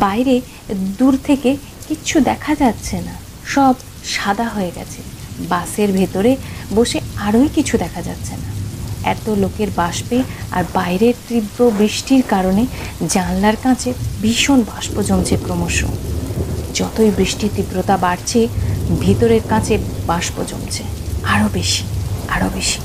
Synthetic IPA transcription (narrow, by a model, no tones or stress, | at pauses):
bajɾe | d̪uɾt̪ʰeke | kit͡ɕʰud̪ɛkʰad͡ʑat̪ːɕʰena | ʃɔb | ʃad̪aɦoeɡɛ̰t͡ɕʰebaseɾbʱet̪oɾeboʃeaɾojkit͡ɕʰud̪ɛkʰad͡ʑa̰t̪ːɕʰenaɛ̰t̪olokeɾbaʃpea̰ɾbajɾeɾt̪ɾibɾobɾiʃʈiɾkaɾoned͡ʑanlaɾkãt͡ɕʰebiʃonbãʃpod͡ʑomt͡ɕʰepɾomoʃo̰ | d͡ʑɔt̪ojbɾiʃʈit̪ibɾot̪abaɽt͡ɕʰebʱet̪oɾeɾkãt͡ɕʰebãʃpod͡ʑo̰mt͡ɕʰeaɾobeʃi̥aɾobeʃi̥